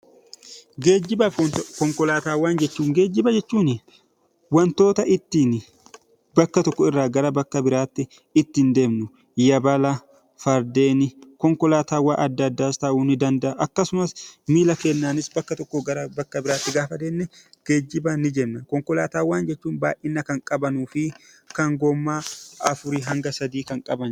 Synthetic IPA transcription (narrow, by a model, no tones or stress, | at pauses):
ɡe̞ːd͡ʒːɪbɐɔnt̪kɔŋkɔlaːt̪aːwaːnd͡ʒɛt͡ʃːuːŋɡe̞ːd͡ʒːɪbɐd͡ʒɛt͡ʃːuːnɪ | wɐnt̪o̞ːt̪ɐʔɪt̪ːiːnɪ | bɐkːɐt̪ɔkːɔɪrːaːɡɐɾɐbɐkːɐbɪɾaːt̪ːɪ | ɪt̪ːɪnd̪e̞ːmnʊ | jɐbɐlɐ | fɐɾd̪e̞ːnɪkɔŋkɔlaːt̪aːwa̰ːʔɐd̪ːɐɐd̪ːaːst̪ɐʔuːnɪd̪ɐnd̪ɐʔɐʔɐkːɐsʊmɐsmiːlɐkenːaːnɪsbɐkːɐt̪ɔkːɔɡɐɾɐbɐkːɐbɪɾaːt̪ːɪɡaːfɐd̪eːnːɛɡ̥ed͡ʒːɪbanɪd͡ʒɛnːɐkɔŋkɔlaːt̪aːwaːnd͡ʒɛt͡ʃːuːnba̰ːʔɪnːɐkɐŋkʼɐbɐnuːfɪ | kɐŋɡɔmːaːɐfʊɾiɦɐŋɡɐsɐd̪iːkɐŋkʼɐbɐn